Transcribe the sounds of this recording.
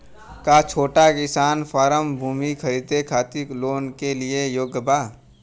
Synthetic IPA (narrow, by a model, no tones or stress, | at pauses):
kat͡ʃʰoːʈakɪsaːnpʰaːɾəmbʱuːmikʰəɾiːd̪ekʰaːt̪ikloːnkelɪejoːɡbaː